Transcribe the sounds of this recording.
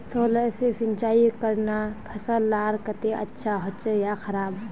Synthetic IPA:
soːləsesɪnt͡ʃaːikɐɾnakʰɐsalaːɾkɐt̪eʔɐ̰tːʃʰaɦot͡ʃjaxʰɐɾaːb

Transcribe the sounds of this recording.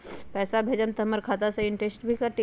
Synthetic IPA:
pɛːsabʱeːd͡ʒənt̪ɐməɾkʰaːt̪aseɪɳʈesʈbʱikaʈi

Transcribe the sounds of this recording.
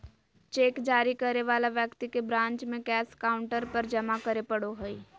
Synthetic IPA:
t͡ʃeːkd͡ʒaːɾikɐɾeʋaːlaʋjəkt̪ikebɾãːɲt͡ʃmẽkɛːskaːʊ̃ɳʈəɾpəɾd͡ʒɐmakəɾepɐɽoɦoi

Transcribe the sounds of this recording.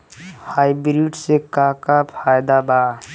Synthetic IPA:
haːibɾiɖsekakapʰaːjd̪abaː

